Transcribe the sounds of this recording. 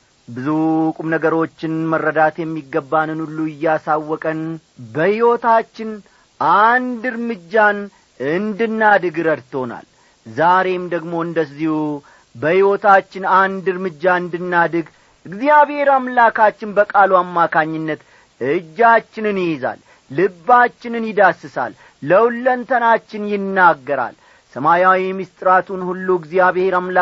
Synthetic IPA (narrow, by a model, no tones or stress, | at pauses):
bɨzukʼumnəɡəɾo̞t͡ʃːɪnmərːəd̪at̪jɛmːiɡːəbːanɨnulːuɪjːɛasawːɔkʼənbəhiwot̪at͡ʃːɪn | ʔand̪ɨɾmɨd͡ʒːan | ɨnd̪ɨnːad̪ɨɡɨɾəd̪t̪ʰo̞na̰l | zaɾe̞md̪əɡmo̞ɨnd̪əzːihu | bəhiwo̞t̪at͡ʃːɪnand̪ɨɾmɨd͡ʒːaɨnd̪ɨnːad̪ɨɡ | ɨɡzijaβhe̞ɾamlakat͡ʃːɪnbəkʼaluamːakʰaɲːɪnːət̪ | ɨd͡ʒːat͡ʃːɪnɨnjɪjeza̰lː | ɨbat͡ʃːɪnɨnjɪd̪asɨsa̰lː | əwlːənt̪ʰənat͡ʃːɪnjɪnːaɡːəɾa̰l | səmajawimist̪ʼɨɾat̪ʰunhulːuɨɡzijaβeɾamla